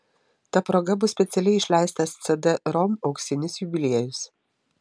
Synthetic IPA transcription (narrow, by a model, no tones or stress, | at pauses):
t̪ɐpɾoːɡɐbʊsʲpʲɛt̪sʲɛlʲɛɪɪʃʲlʲæˑɪst̪ɐst̪sʲɛd̪ɛɾɔmɒʊksʲɪnʲɪsjubʲɪlʲiɛjʊs